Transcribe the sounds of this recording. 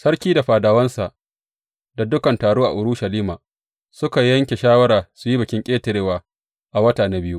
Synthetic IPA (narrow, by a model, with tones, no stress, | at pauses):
sɐ˦ɾkʲiː˦da˨ɸaː˨daː˨wɐ˦nsa˨ʔ | da˨dʊ˦kɐ˨ntaː˨ɽoː˦ʔa̰˨ʔʊ˨ɽʊ˦ʃɐ˨liː˦maː˨ | sʊ˦ka˨jɐ˦ŋkʲe˨ʃaː˦wɐ˦ɾaː˨su˨ji˦bɪ˨kʲɪ˦ŋkʲʼeː˦tɪ˨ɾeː˦waː˨ | ʔa˨wɐ˦taː˨na˦bɪ˦ju˦